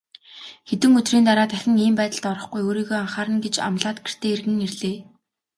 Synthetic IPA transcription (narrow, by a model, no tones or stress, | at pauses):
xet̪ɘ̆ŋɵt̪riːnt̪aɾaːt̪æxʲɪ̆ŋiːmpæːt̪ə̆ɮt̪ɔɾɞ̆χɡujoːɾiːɣoːaɴχaːɾə̆nɡet͡ɕa̰mɮaːt̪ɡe̥r̥t̪ʰeːerɣɘ̆ŋerɮeː